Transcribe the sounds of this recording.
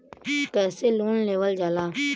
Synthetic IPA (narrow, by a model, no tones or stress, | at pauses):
kɛːseluːnleːʋəld͡ʒaːlaː